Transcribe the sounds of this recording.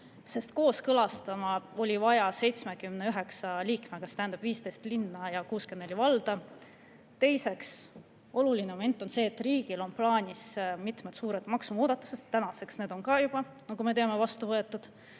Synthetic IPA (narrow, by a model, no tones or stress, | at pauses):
se̞st̪ko̞ːskɤlɑst̪ɑmɑo̞lʲivɑjɑse̞jt̪sme̞kymneyɦe̞ksɑliːkmekɑst̪æɦænd̪ɑb̥viːst̪ejst̪linːɑjɑkuːskenelʲivɑld̪̥ɑ | t̪e̞jse̞ks | o̞lulinemome̞nt̪ːˑo̞nse̞ːet̪ːˑriːɡ̥ilo̞nplɑːnʲismit̪met̪suːɾet̪ˑmɑksumuːd̪̥ɑt̪ːˑu̥se̞st̪ːænɑse̞ksne̞ːd̪o̞nkɑjub̥ɑ | nɑkume̞t̪eɑme̞vɑst̪uvɤe̞t̪ːˑud̪̥